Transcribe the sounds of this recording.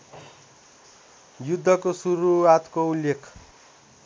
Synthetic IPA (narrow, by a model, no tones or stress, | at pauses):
jud̪ʱːʌkosuɾuwat̪koulːekʰ